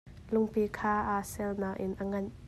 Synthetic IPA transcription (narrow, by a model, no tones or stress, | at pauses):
lʊŋpikʰaːʔaːsɛlnaːk̚ʔɪnʔɐŋɐn